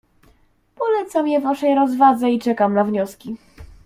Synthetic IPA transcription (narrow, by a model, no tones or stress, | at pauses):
pɔlɛt̪samjɛvaʂɛjɾɔzvad̪zɛit͡ʂɛkamnavɲɔskʲi